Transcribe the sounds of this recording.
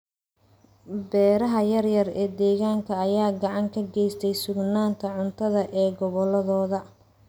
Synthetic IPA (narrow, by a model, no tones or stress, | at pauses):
bɛːɾɐɦɐjɐrjɐrɛːd̪ɛːɣaːŋkʰɐːjaːɡɐʕɑŋkʰɐɡɛjst̪ʰɛjsʊɡnaːnt̪ʰɐʕʊnt̪ʰɐðɐʔɛːɡɔβɔlɐðɔːðɐ